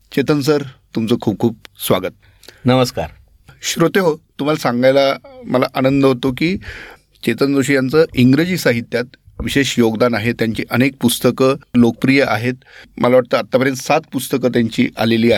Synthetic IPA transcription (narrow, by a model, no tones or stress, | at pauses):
t͡ɕet̪əns̬əɾt̪umt͡səːkʰuːp̚kʰuːp̚sʋaɡət̪̚ | nəməska̰ɾ | ɕɾot̪eɦot̪um̤alasãŋɡajlaməla̰ʔanənd̪əɦot̪okiː | t͡ɕet̪ənd͡zoɕiːjant͡səʔiŋɡɾed͡ʑiːsaɦit̪jat̪ʋiɕeɕjoɡd̪anaɦet̪jaɲt͡ɕḭːʔənek̚pust̪əkəlokəpɾijəʔa̰ɦet̪mʔəlaʋaʈ̚t̪əat̪ːapəɾjənt̪sat̪̚pust̪əkət̪̬jaɲt͡ɕḭːʔa̰leliːaɦe